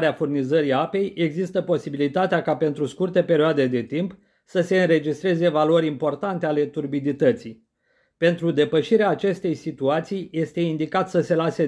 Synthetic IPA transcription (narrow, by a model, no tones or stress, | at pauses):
ɾeafurnizəɾiape̞je̞ɡzist̪əpo̞sibilit̪at̪eakape̞nt̪ɾuskurt̪e̞pe̞ɾioad̪e̞d̪e̞t̪imp | səse̞ɨnɾe̞d͡ʒist̪ɾe̞ze̞valoɾʲimpo̞rt̪ant̪e̞ale̞t̪urbid̪it̪ət̪sij | pe̞nt̪ɾud̪e̞pəʃiɾeaːt͡ʃe̞st̪e̞jsit̪uat̪sijje̞st̪e̞ind̪ikat̪səse̞lase̞